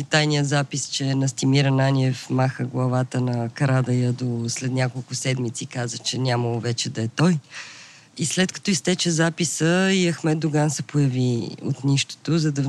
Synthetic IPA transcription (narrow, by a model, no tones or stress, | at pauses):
it̪ajnijəzapist͡ʃɛnɐst̪imiɾənanʲiɛfmaxəɡlˠɐvat̪ənɐkɐɾad̪ɐjəd̪oslɛt̪nʲakolˠkʊsɛd̪mit̪sikazət͡ʃɛnʲaməlˠʊvɛt͡ʃɛd̪ɐɛt̪ɔj | islɛt̪kɐ̥t̪ɔist̪ɛt͡ʃɛzapisəiɐxmɛd̪̚d̪ʊɡansɛpojɐvio̰t̪niʃt̪o̥t̪ozɐd̪ɐv